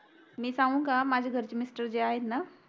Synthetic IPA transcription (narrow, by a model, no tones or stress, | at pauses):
miːsãʋũŋkamad͡ʑʱeɡʱəɾt͡ɕemisʈəɾd͡ʑeaɦet̪na